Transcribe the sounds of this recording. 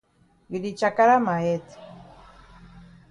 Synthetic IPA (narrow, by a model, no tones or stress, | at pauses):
ɡiɾit͡ʃakaɾamaet̪